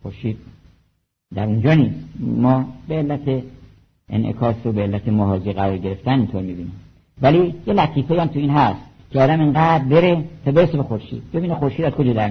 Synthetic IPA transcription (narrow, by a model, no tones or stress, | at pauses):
xoɾʃiːd̪̥̚ | d̪æɾund͡ʒɒːniːsmɒːbeːlːæt̪ʰe | ḛnʔḛkʰɒːsobeelːæt̪ʰemoɦɒːziːɣæɾɒːɾɟe̞ɾe̞ft̪ænint̪ʰoːɾmibiːnim | vælijelæt̪ʰiːfejæmt̪ʰuiːnɦæst̪cʰeɒːd̪æmeŋɡæːd̪̚be̞ɾet̪ʰɒːbe̞ɾesebe̞xoɾʃḭːd̪̥̚be̞biːnexoɾʃiːd̪æzkod͡ʒɒːd̪æɾ